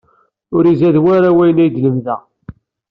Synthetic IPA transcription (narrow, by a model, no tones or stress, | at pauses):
ʊɾizæðwæɾawæjənæjd̪ləmðæ